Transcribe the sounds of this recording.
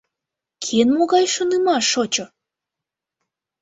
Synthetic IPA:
kʰenmoɣɑjʃonɨmɑʃot͡ɕo

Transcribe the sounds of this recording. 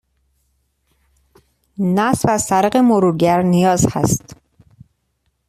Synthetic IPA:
næsvæzsæɾeɣemoɾuːɾɡæɾnijɒːzhæ̰st̪

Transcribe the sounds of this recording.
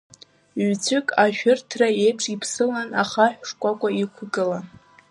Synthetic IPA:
ɥt͡sʰʊkʼaʃᶣʊrtʰraejʈ͡ʂʼipʰsɨlanaχaħᶣʂkʷʼakʷʼaikʷʰʊɡɨlan

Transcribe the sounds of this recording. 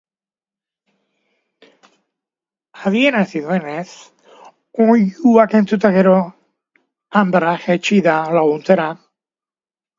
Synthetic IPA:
aðie̞nasiðue̞ne̞s | ojuake̞nt͡sut̪aɣe̞ɾo̞ | ambɾaxet͡ʃiðalaɣunt͡seɾa

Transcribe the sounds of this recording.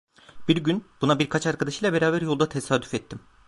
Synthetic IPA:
b̥iɾɟynb̥unabiɾkʰat͡ʃaɾkʰad̪aʃɯjlˠabeɾaːbæɾjo̞lˠd̪at̪ʰesaːd̪y̥fɛt̪ʰːim

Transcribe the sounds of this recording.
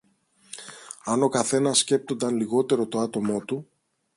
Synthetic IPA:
ɐno̞kɐθe̞nɐsːce̞p̚t̪o̞nd̪ɐnliɣo̞t̪e̞ɾo̞t̪o̞ɐt̪o̞mo̞t̪u

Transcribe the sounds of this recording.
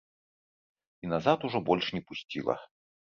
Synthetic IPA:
inazat̪uʐɔbɔlʲʂnʲɛpusʲt͡sʲḭlˠɐ̰

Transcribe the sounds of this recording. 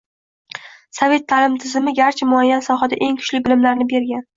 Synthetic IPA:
save̞t̪ʰːalɪmt̪ʰɪzɪmɪɡʲaɾt͡ʃʰɪmʊajːansɒɦad̪aʔe̞ŋkʰʊ̥ʃlɪbɪlɪmlaɾnɪbe̞ɾɡʲan

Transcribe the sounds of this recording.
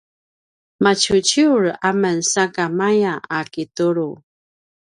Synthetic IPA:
mat͡ɕut͡ɕiuɾamənsakamajaakituɾu

